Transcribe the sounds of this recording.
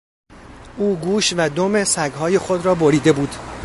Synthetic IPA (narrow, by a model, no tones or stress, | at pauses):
ʔuːɡuːʃvæd̪ome̞sæɡɦɒːje̞xo̞d̪ɾɒːboɾiːd̪e̞buːd̪̥